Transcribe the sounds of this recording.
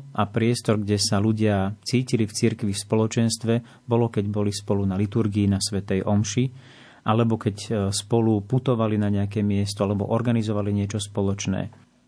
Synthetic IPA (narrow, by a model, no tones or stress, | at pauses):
ʔapɾɪɛst̪ɔɾɡɟɛsaluɟɪat͡siːcilift͡siɾkʋifspɔlɔt͡ʃɛnst̪ʋɛ | bɔlɔkɛɟbɔlispɔlunalit̪uɾɡiːnasʋɛt̪ɛjʔɔmʃi | ʔalɛbɔkɛcspɔluput̪ɔʋalinaɲɛak̬ɛːmɪɛst̪ɔalɛbɔʔɔɾɡanizɔʋaliɲɪɛt͡ʃɔspɔlɔt͡ʃnɛ̰ː